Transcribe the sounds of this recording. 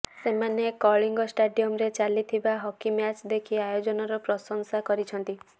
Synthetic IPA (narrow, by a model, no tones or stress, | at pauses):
semanekɔɭiŋɡɔsʈaɖiɔmɾet͡ʃalit̪ʰibaɦɔkimjat͡ʃd̪ekʰiajod͡ʒɔnɔɾɔpɾɔsɔŋsakɔɾit͡ʃʰɔnt̪i